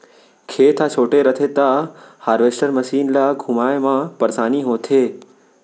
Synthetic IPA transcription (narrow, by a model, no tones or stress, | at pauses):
kʰeːt̪ʰat͡ʃʰoːʈeɾət̪ʰet̪ahaːɾʋesʈəɾməʃiːnlaɡʱumajmãpəɾsaːniɦoːt̪ʰeː